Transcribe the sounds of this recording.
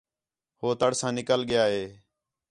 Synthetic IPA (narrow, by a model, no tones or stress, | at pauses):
hoːt̪əɽsãːnɪkəlɠɪjaːɦeː